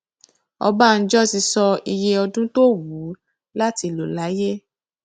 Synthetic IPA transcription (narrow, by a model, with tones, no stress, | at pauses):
ɔ̰˧ba˦˨n̩˦d͡ʒɔ˦˨ti˧sɔ˧i˧je˧ɔ˧dũ˦to˦˨wu˨˦ | la˦ti˧lo˨la˨˦je˦